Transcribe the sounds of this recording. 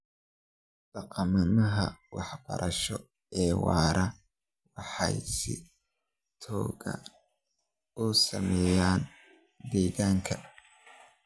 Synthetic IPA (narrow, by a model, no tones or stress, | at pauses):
ɖ̥ɑqɑmɐnɐɦɐwɑħb̥ɐ̰ɾʔɐʃɔ | ɛːwɑ̰ːɾɐ | wɑħɑ̰jsɪ | t̪ʰɔːɣɐ̰ | usɐ̰mɛːjaːn | d̪ɛːɣaːŋkʰɐ